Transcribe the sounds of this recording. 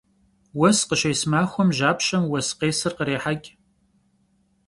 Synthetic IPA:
wɐsqəʃejsmaːxʷɔmʒaːpʃɐmwɐsqeːsɨrqəɾeːħaɡʲ

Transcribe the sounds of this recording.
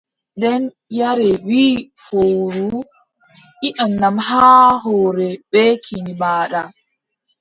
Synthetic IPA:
dɛn | jaɾɛwiː | fowɾu | ʔiʔanːamɦaːɦɔːɾɛbɛkʰinibaːɗa

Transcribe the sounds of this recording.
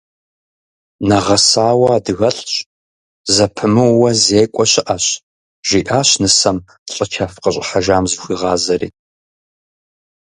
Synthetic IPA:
nɐʁɐsaːwɐdɨɣɐɬʼɕ | zɐpʰɨmɨwwɐzeːkʷʼɔɕɪʔɐɕ | ʒ̥iːʔaːɕnɨsɐm | ɬʼət͡ʃʰafqəɕʷʼħaʒaːmzɨxʷiːʁɑːzɐrḭːt

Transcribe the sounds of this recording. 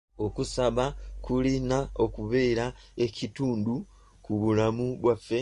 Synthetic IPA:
o̞kusaβakulinao̞kuβe̞ːɾae̞cituːndu | kuβulamuβwafːe̞

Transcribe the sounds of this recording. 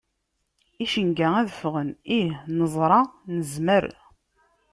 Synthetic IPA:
iʃəŋɡææðəfʁənihnəzˤɾˤɑnəzməɾ

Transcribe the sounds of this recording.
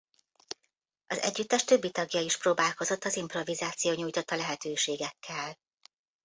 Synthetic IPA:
ʔɒzɛ̰ɟːyt̪ːɛʃt̪ø̞bːit̪ɒɡjɒiʃproːbaːlko̞zo̞t̪ːɒzimpro̞vizaːt̪sijoːɲuːjt̪o̞t̪ːɒlɛɦɛt̪øːʃeːɡɛkʰːɛl

